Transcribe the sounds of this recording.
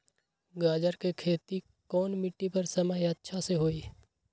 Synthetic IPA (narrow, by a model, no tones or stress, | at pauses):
ɡaːd͡ʒəɾkekʰeːt̪i | kɔːnmɪʈːipɐɾsɐməjɐtːʃʰaseɦoːiː